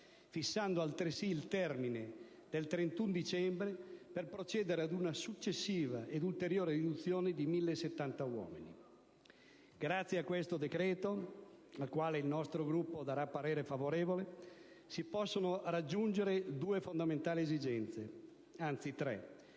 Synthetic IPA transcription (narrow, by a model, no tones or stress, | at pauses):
fisːand̪oalt̪ɾesiːlt̪ɛrmine | d̪̥elt̪ɾent̪und̪it͡ʃɛmbɾeperpɾot͡ʃɛːd̪eɾead̪unasut͡ʃːesːiːvaʔed̪ult̪eɾjoːɾeɾid̪ut̪sːjoːned̪imilːeset̪ːant̪awɔ̰ːmini | ɡ̥ɾat̪sːjeakːwest̪od̪ekɾɛːt̪o | alkwaːleilnɔst̪ɾoɡɾupːod̪aɾapːaɾeːɾefavoɾeːvole | sipɔsːonorad͡ʒːund͡ʒeɾed̪uːefond̪ament̪aːliezid͡ʒɛnt̪se | ant̪sit̪ɾɛ̰